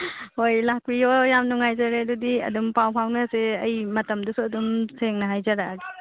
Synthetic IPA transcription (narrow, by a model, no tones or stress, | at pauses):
hojlak̚biojamnuŋajzaɾedudiɐ̰dumpawpʰawnɐseɐjmɐtɐmdɐsuɐdumseŋnɐɦajzaɾaɡi̥